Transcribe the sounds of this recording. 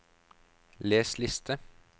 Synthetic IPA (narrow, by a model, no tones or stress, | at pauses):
leːslɪst̪ʰə